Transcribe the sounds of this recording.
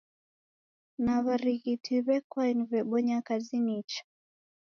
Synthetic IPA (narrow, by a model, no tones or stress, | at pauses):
naβaɾiɣitʰiβɛkwainiβɛɓɔɲakazinit͡ʃḁ